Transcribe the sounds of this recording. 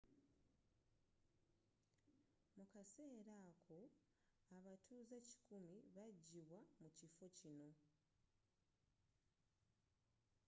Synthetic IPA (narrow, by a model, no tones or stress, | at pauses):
mukase̞ːɾaːkʰo̞ | aβatʰuːzaci̥kumiβaɟːiβwamucifo̞cino̞